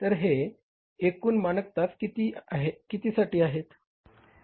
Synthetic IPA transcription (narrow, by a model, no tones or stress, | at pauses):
t̪əɾɦeː | kuːnmanəkt̪at͡skit̪iːaɦekit̪iːsaʈiːaɦet̪